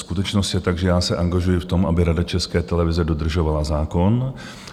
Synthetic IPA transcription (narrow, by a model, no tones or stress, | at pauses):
skut̪ɛt͡ʃno̞st̪jɛt̪aɡʒɛjaːsɛʔaŋɡaʒujɪft̪o̞mʔabɪɾadat͡ʃɛskɛːt̪ɛlɛvɪzɛdo̞d̪r̩ʒo̞valazaːko̞n